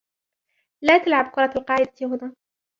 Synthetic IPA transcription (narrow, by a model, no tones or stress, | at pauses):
laːt̪alʕabkʊɾˤɑalqɑːʕɪd̪at̪iɦʊnaː